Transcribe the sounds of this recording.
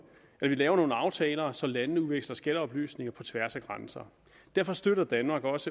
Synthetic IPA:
elɐʋilɛːʊɐno̝ːn̩ɑ̈ʊt͡sʰɛːlɐsɒ̽lænənəuʋeɡ̥slɐsɡ̥ælɐɒ̽b̥ly̰ːsne̝ŋɐpʰɒ̽t͡sʰʋæɐ̰sæɡ̥ʁɑnsɐ | d̥æɐ̰fɒ̽sd̥øɾ̥ɐd̥ænmɑ̈ːɡ̥ɒ̽sə

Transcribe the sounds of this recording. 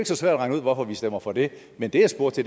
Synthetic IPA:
e̝ɡ̥sɒ̽sʋæɐ̰dʁɑ̈ŋəuð̞̰ˠʋɒfɒ̽ʋisd̥em̰ɐfɒ̽d̥e̝ | mend̥e̝asb̥o̝ɐ̰t͡sʰe

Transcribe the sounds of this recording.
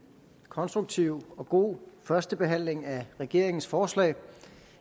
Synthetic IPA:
kʰɒ̽nsd̥ʁuɡ̥̚t͡sʰiʊɒ̽ɡ̥o̝̰ːfɶɐsd̥əb̥e̝ɦæn̰le̝ŋæʁɛɡ̥e̝ɐ̰e̝ŋn̩sfɒːslɛ̰ɪ

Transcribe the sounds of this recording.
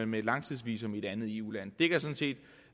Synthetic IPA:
melɑ̈ŋ̰t͡sʰiðˠsʋḭːs̬ɔ̽me̝ɾ̥ænð̩ˠe̝ːṵlæn̰d̥e̝ɡ̥ɐsɔ̽nse̝̰ːd̥

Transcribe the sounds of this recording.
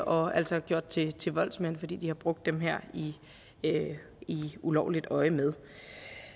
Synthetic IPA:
ʔɒ̽æl̰sɒ̽ɡ̥jo̝ɐ̰d̥̚t͡sʰe̝t͡sʰe̝ʋɒ̽l̰̥smen̰fɒ̽d̥ḭːd̥ihɑ̈b̥ʁɔ̽ɡ̥̚d̥ːemɦeɐ̰i | iulɒʊlid̥ɒ̽ɪmeð̞ˠ

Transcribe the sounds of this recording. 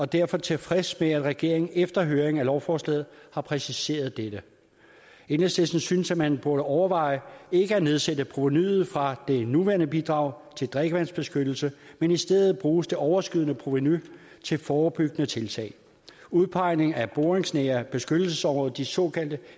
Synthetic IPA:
ɒ̽d̥æɐfɒ̽t͡sʰe̝lfʁɛsmeæd̥ʁɛɡ̥e̝̰ɐ̰e̝ŋn̩efd̥ɐɦøːɐeŋ̩ælɒʊfɒːslɛ̰ːð̩ˠhɑ̈pʰʁɛsise̝̰ːɐð̞ˠd̥ed̥ə | enəsd̥esn̩synsæmænb̥uɐɾəʔɒʊɐʋɑ̈ɪe̝ɡ̥əæne̝ð̞ˠsedəpʰʁo̝ʋenyð̩ˠfʁɑ̈d̥e̝nuʋæːɐnəb̥id̥ʁɑ̈ʊ̰ | t͡sʰe̝ld̥ʁɛeɡ̥əʋæn̰sb̥e̝sɡ̥ød̥l̩səmenisd̥eðˠð̩ˠb̥ʁuːsd̥e̝ʔɒʊɐsɡ̥yðˠənəpʰʁoʋeny | t͡sʰe̝lfɒːb̥yɡ̥ənət͡sʰe̝lt͡sʰɛ̰ɪ | uðˠpʰɑ̈ɪ̰ne̝ŋæb̥oːʁeŋsneːɐb̥e̝sɡ̥ød̥l̩səsɒ̽mʁɔ̽ːðˠɐd̥isɔ̽kʰæl̰d̥ə

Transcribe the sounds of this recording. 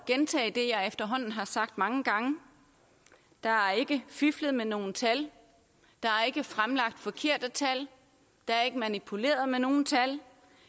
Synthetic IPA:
ɡ̥ent͡sʰɛ̰ːɪd̥e̝jɑ̈ɪefd̥ɐɦɒ̽n̰n̩ɦɑ̈sɑ̈ɡ̥̚d̥mɑ̈ŋəɡ̥ɑ̈ŋə | d̥ɑ̈æɐe̝ɡ̥əfyfləð̩ˠmeno̝ːn̩t͡sʰæl | d̥ɑ̈æɐe̝ɡ̥əfʁamlɑ̈ɡ̥̚d̥fɒ̽kʰe̝ɐ̰d̥ət͡sʰæl | d̥ɑ̈æɐe̝ɡ̥əmænipʰule̝̰ːɐðˠmeno̝ːn̩t͡sʰæl

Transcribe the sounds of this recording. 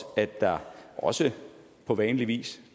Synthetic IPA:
æd̥d̥ɑ̈ʔɒ̽sə | pʰɒ̽ʋɛːnliʋḭːs

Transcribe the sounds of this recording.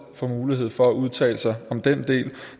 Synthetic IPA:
fɒmuːlihe̝ð̞̰ˠfɒ̽æʔuð̞ˠt͡sʰɛ̰ːləsɑ̈ɪɒ̽md̥end̥e̝̰ːl

